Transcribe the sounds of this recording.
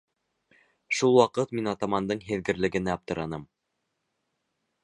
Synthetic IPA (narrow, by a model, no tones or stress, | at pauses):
ʃulˠwɑqɤt̪minɑt̪ɑmɑnd̪ɤɴɦɘ̆ðɡɘ̆ɾlɘ̆ɡɘ̆næɑp̚t̪ɤ̆ɾɑnɤm